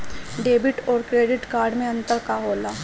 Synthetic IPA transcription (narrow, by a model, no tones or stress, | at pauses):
ɖeːbɪʈɔːɾkɾeːɖɪʈkaːɾɖmẽɐ̃nt̪əɾkaɦoːlaː